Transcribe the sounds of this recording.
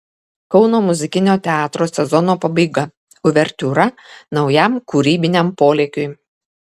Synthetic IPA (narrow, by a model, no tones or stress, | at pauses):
kɒʊnoːmʊzʲɪkʲɪnʲoːt̪ʲɛɑːt̪ɾoːsʲɛzɔnoːpɐbɐɪɡɐ | ʊʋʲɛɾʲt̪ʲuɾɐnɒʊjæˑmkʊɾʲiːbʲɪnʲɛmpoːlʲeːkʲʊɪ